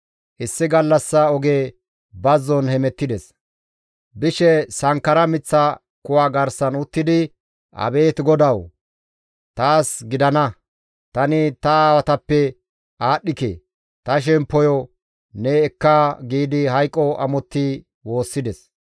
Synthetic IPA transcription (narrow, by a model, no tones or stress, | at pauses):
ʔɪsːɪɡɐlːɐsːɐɔɡe̞ː | bɐzːɔnhɛmɛt̪ːɪd̪ɛs | bɪʃɛsɐŋkːɐɾɐmɪt͡sːɐ | kʊwaːɡɐɾsɐnʊt̪ːɪd̪ɪ | ʔɐ̰be̞ːt̪ɡɔd̪ɐw | t̪aːsɡɪd̪ɐnɐ | t̪ɐnɪt̪ɐaːwɐt̪ɐpːɛ | ʔaːɗːɪkḛ | t̪ɐʃ̬ɛmpːɔjɔ | nɛːkːaɡiːd̪ɪɦɐjkʼːɔʔɐ̰mɔt̪ːɪ | wo̞ːsːɪd̪ɛs